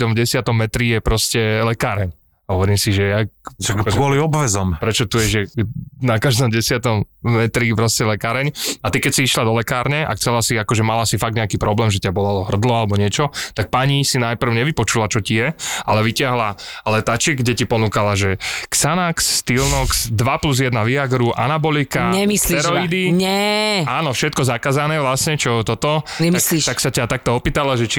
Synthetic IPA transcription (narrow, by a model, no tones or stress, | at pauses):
d̪ɔmvɟɛsɪat̪ɔmːɛt̪ɾijɛpɾɔscɛlɛkaːɾɛɲ | ɦɔʋɔɾiːmsiʒɛjaakɔliɔbʋɛzɔmpɾɛt͡ʃɔt̪ujɛʒɛnakaʒd̪ɔmɟɛsɪat̪ɔmmɛt̪ɾipɾɔscɛlɛkaːɾɛɲat̪ikɛcsiiʃlad̪ɔlɛkaːɾɲɛʔa̰kt͡sɛlasiakɔʒɛmalasifaɡ̚d̪ɲɛakiːpɾɔblɛːmʒɛt̪ɪabɔlalɔɦr̩d̪lɔalɛbɔɲɪɛt͡ʃɔt̪ak̚paɲisinajpr̩ʊɲɛʋipɔt͡ʃulat͡ʃɔcijɛalɛʋicɪaɦlalɛt̪at͡ʃiɡɟɛcipɔnuːkalaʒɛksanaksːt̪ilnɔksd̪ʋapluzjɛd̪naʋiaɡɾuʔa̰nabɔlikaɲɛmisliɛɾɔid̪iɲɛaːnɔfʃɛt̪̚kɔzakaːzanɛːʋlasɲɛt͡ʃɔt̪ɔt̪ɔɛmiaslit̪aksacat̪ak̚t̪ɔɔpiːt̪alaʒɛt͡ʃi